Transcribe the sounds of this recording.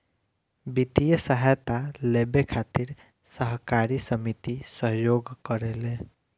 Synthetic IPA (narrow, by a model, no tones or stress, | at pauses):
bit̪ijəsəɦajt̪alebekʰat̪iɾ | səɦkaɾisəmit̪isəɦjoɡkəɾele